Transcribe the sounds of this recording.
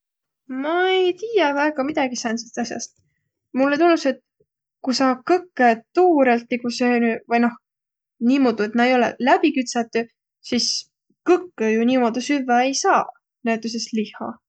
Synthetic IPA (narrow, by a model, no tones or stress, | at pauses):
mɑejt̪iːjɑvæeɡ̥ɑmid̪ɑɡ̥isɑnselst̪ɑsjɑ̰st̪ | mulːet̪unːuse̞t̪ | kusɑkɤkːet̪uːɾelt̪niɡuseːnyvɤjno̞h | niːmo̞ːd̪ue̞t̪mɑejo̞lḛlæb̥ikyt̪sɑt̪ːˑu | sis | kɤkːejuniːmo̞d̪usyvːɑe̞jsɑː | næt̪ːˑus̬est̪lihɑ̰